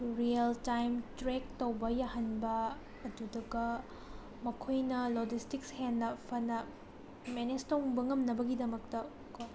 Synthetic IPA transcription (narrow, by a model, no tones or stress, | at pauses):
ɾiɐltajmtɾek̚towbɐjahɐnbɐː | dudɐɡɐ | mɐkʰojnɐlod͡ʒistikshenːɐpʰɐnɐ | menestowŋbɐŋɐmnɐbɐɡidɐmɐk̚tɐ | ko